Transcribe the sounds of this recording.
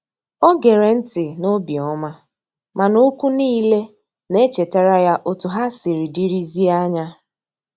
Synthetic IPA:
ɔ˦ɡe˨ɾe˨n̩˦tɪ˨no˦bi˨ɔ˦ma˦ | ma˨no˦kʷu˦niː˦le˦ | ne˦t͡ʃe˨ta˦ɾa˦ja˦ʔo˦tʊ˨ɦa˦si˨ɾi˨di˦ɾi˦zi˦a˦ɲa˦

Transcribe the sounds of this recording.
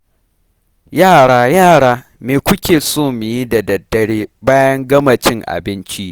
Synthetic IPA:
jaː˦˨ɽaː˦jaː˦˨ɽaː˦ | meː˨kʷʊ˦kʲeː˨soː˦˨mɪ˨ji˦da˨dɐ˨dːɐ˨ɽeː˦baː˦jɐ˦ŋɡɐ˦mɐ˨t͡ʃɪ˦ŋʔa̰˨bɪ˦nt͡ʃi˦ʔ

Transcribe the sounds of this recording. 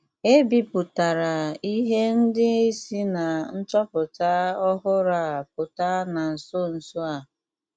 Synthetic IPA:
e˦bi˨pʊ˨ta˨ɾa˨i˦ɦe˦n̩˦dɪ˦e˦si˦na˨n̩˦t͡ʃɔ˦pʊ˨ta˦ɔ˦ɦʊ˦ɾa˨p̚ʊ˨ta˦na˨n̩˨so˦n̩˨sʊ˦a˨

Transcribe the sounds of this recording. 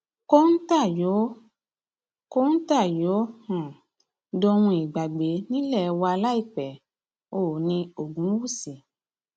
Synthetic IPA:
ko˦n̩˦ta˦˨jo˨˦ | ko˦n̩˦ta˦˨jo˨˦hã˨ | do˧ɾũ˧i˨ɡ͡ba˨ɡ͡be˨˦nĩ˦lɛ˦˨˧wa˧la˦i˦˨k͡pɛ˨ | o˨nĩ˧o˨ɡũ˨˦wu˦˨si˨

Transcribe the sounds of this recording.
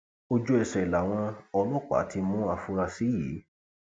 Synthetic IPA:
o˧d͡ʒu˧˦ɛ˨ʃɛ˨la˨w̃ɔ̃˧ɔ˧lɔ˦˨k͡pa̰˨˦tʰi˧mũ˦a˧fu˧ɾa˧si˨˦ji˨˦

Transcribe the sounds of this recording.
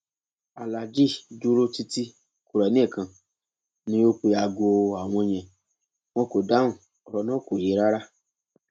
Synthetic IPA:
a˨la˨d͡ʒi˦˨du˦ɾo˦ti˧ti˦ | ku˨ɾa˨˦nĩ˦ɛ˦˨kã˨ | nĩ˦jo˦k͡pe˧ja˨ɡo˧˨a˨w̃ɔ̃˧j̃ɛ̃˨ | w̃ɔ̃˧ko˨da˨˦ũ˨ | ɾɔ˧˦nã˦˨ko˨je˨˦ɾa˦ɾa˦

